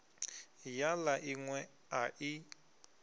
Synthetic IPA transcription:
jalaʔiŋwɛ | aʔi

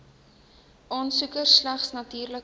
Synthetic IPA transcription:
ʔɑːnsukərlæχsnɐtiːrlək

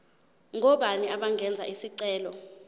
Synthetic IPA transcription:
ŋʱɔɓaniaɓaŋɡʱɛnd͡zʱa̰ʔisiǀɛːlɔ

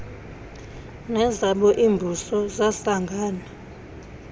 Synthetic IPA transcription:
nɛzaɓɔʔiːmbʱusɔzasaŋɡʱaːna

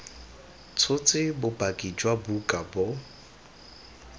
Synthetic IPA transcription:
t͡sʰʊt͡sʼɪbʊpʼakʼid͡ʒwabukʼabʊ

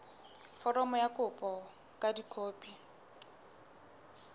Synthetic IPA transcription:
fɔrɔmɔjakʊpʼɔ | kʼadikʰoːpʼi

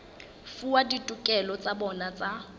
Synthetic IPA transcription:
fuwaditʼukʼɛlɔt͡sʼabɔnat͡sʼa

